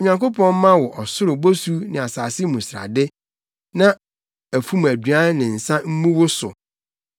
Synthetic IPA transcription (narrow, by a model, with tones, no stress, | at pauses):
ɲã˨ŋko˦pʰɔ̃˦m̩˦mã˦wɔ˨ʔɔ˨sʊ˦ɾʊ˨bo˦su˦nɪ̃˨a˨saː˨sɪ˦mũ˨sɾa̰˨dɪ˦ | nã˦ | æ˨fũ˦mæ˨dɥa˦nɪ̃˨n̩˨sã˦m̩˦mũ˦wʊ˦sʊ̰˨